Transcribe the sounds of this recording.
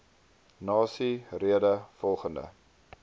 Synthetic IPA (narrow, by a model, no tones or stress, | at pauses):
nɑːsiriədəfɔlˠχəndə̰